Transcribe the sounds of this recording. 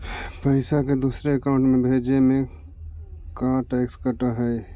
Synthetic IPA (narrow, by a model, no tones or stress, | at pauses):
pəɪsaked̪uːsɾeəkaʊ̃ɳʈmẽbʱeːd͡ʒemẽ | kaʈɛːkskəʈəɦɛː